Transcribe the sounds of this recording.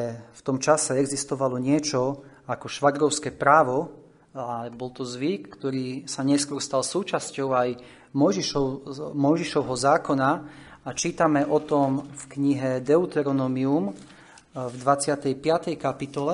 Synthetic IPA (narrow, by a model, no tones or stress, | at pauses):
ft̪ɔmt͡ʃasɛɛɡzist̪ɔʋalɔɲɪɛt͡ʃɔ | akɔʃʋaɡ̪ɾɔʊskɛːpɾaːʋɔ | aɛbɔlt̪ɔzʋikːt̪ɔɾiːsaɲɛskɔɾst̪alsuːt͡ʃascɔʊaj | mɔjʒiʃɔmɔjʒiʃɔʊɦɔzaːkɔna | at͡ʃiːt̪amɛʔɔt̪ɔmfkɲiɦɛd̪ɛut̪ɛɾɔnɔmium | vd̪ʋat͡sɪat̪ɛjpɪat̪ɛjkapit̪ɔlɛ